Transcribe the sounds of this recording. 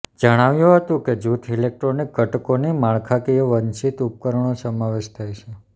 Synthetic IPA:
d͡ʒəɽ̃aʋjũɦət̪ũked͡ʒut̪ʰilek̚ʈɾonik̚ɡəʈkonimaɭkʰakieʋənt͡ʃit̪up̚kəɾəɳ̃osəmaʋeʃt̪ʰajt͡ʃʰe

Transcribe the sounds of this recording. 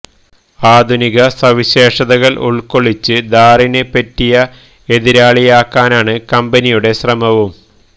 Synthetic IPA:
aːd̪ʱuniɣɐsɐʋiɕeːʂɐðɐɣɐlṵɭko̞ɭit͡ɕːɨd̪aːrinepːɐtːijɐ | e̞ðiɾaːɭijaːkːaːnaːɳɨkɐmbɐnijuɽe̞ɕrɐmɐʋum

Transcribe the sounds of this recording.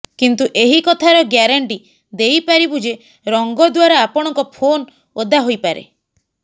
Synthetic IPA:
kint̪uʔeɦikɔt̪ʰaɾɔɡjaɾaɳʈi | d̪ejpaɾibud͡ʒe | ɾɔŋɡɔd̪waɾaːpɔɽ̃ɔŋkɔpʰon | od̪aɦojpaɾḛ

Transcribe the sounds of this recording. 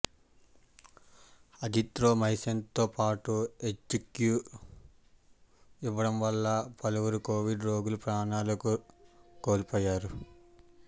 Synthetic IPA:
ɐd̪ʱit̪ɾoːmɐjisɐnt̪o̞ːpaːʈuet͡ʃkjuː | iʋɐɽɐmʋɐlːɐpɐluʋɐɾuko̞ːʋiɖɾo̞ːɡulupɾaːnaːlɐkuko̞ːɾipoːjːaːɾu

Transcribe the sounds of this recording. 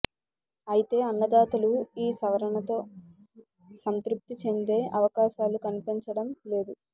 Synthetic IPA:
ɐjit̪e̞ːɐnːɐd̪aːt̪ɐluiːsɐʋɐɾɐɳɐt̪o̞ː | sɐnt̪ɾup̚t̪it͡ʃe̞nd̪e̞ːʔɐʋɐkaːʃaːlukɐnipiɲt͡ʃɐɽɐmle̞ːd̪u

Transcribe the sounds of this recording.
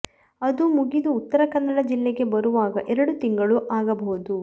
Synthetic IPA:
ɐd̪umuɡid̪uːt̪ːɐɾɐkɐnːɐɭɐd͡ʒilːeɡe̞bɐɾuʋaːɡɐʔɛɾɐɽut̪iŋɡɐɭuʔaːɡɐbɐud̪u

